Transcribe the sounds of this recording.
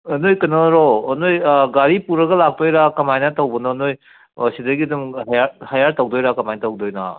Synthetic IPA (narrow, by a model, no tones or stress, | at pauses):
ɐnojkɐnoɾoːnojɡaɾipuɾɐɡɐlak̚tojɾakɐmajnɐtawbɐnonoj | sidɐɡidumajahajaɾtawdojɾakɐmajnɐtɐwdojna̰